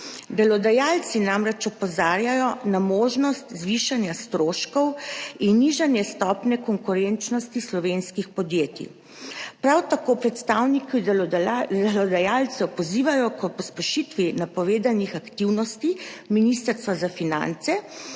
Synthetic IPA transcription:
d̪ɛlɔd̪ajaːlt̪sinamɾɛt͡ʃɔpɔzaːɾjajɔnamoːʒnɔst̪zʋiːʃanjast̪ɾoːʃkɔwinːiʒanjɛst̪ɔːpnɛkɔŋkuɾɛnt͡ʃnɔst̪islɔʋenskixpɔd̪jeːt̪ḭ | pɾawt̪akoːpɾɛt̪st̪aːwniki | d̪ɛlɔd̪ajalt̪sɛpɔziːʋajɔkɔpɔspɛʃit̪ʋinapɔʋeːd̪anixakt̪iwnɔst̪iminist̪əɾst̪ʋazafina̰nt̪sɛ

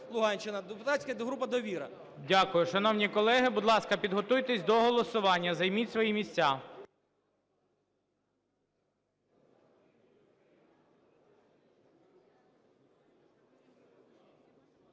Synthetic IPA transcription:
lˠʊɦɑnʲt͡ʃɪnɐd̪epʊt̪asʲkɐɦɾupɐd̪ɔʋʲiɾɐ̰ | dʲakʊjʊʃɐnɔwnʲikɔlˠɛɦɪbʊd̪lˠɑskɐpʲid̪ɦɔt̪ujt̪esʲd̪ɔɦɔlˠɔsʊʋɑnʲːɐzɐjmʲitʲsʋɔjimʲisʲt͡sʲa

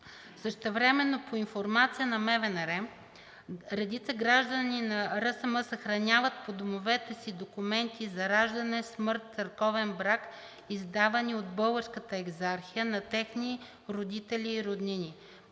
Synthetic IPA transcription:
səʃt̪ɛvɾɛmɛnːopʰoinfoɾmat̪sijənɐmɛvɛnɾɛm | ɾɛd̪it̪səɡɾaʒd̪əninɐɾəsəməsɐxɾɐnʲavət̪̚pod̪omovɛt̪ɛsid̪okumɛnt̪izɐɾaʒd̪ɐnɛsmɤɾt̪̚t̪sɐɾkɔvɛnbɾak | izd̪avɐniod̪bɤlˠɡəɾskət̪əɛɡzaɾxijənɐt̪ɛxni | ɾod̪it̪ɛlʲiːɾod̪ninʲi

